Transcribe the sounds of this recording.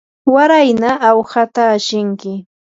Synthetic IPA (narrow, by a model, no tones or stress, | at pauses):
waɾajnaʔːwhat̪aːʃɪŋkɪ